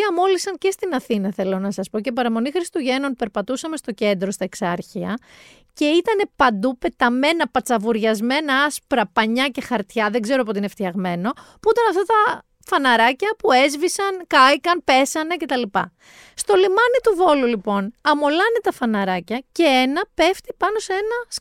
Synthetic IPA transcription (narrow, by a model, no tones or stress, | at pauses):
ɐmo̞lisɐnce̞st̪inɐθinɐθe̞lo̞nɐsɐspo̞cepɐɾɐmo̞nixɾist̪uʝe̞no̞npe̞ɾpɐt̪usɐme̞st̪o̞ce̞nd̪ɾo̞st̪ɐeksɐɾçiɐ | ce̞it̪ɐne̞pɐnd̪upe̞t̪ɐme̞nɐpɐt͡sɐvuɾʝɐzme̞nɐɐspɾɐpɐɲɐce̞xɐɾt̪çɐðe̞ɡze̞ɾoɐpoineft̪çɐɣme̞no̞puut̪ɐnɐft̪ɐt̪ɐ | fɐnɐɾɐcɐpue̞zvisɐnkɐikɐnpe̞sɐnece̞t̪ɐlipɐ̰ | st̪o̞limɐnit̪uvo̞lulipo̞nɐmo̞lɐnet̪ɐfɐnɐɾɐcɐce̞enɐpe̞ft̪ipɐno̞see̞nɐs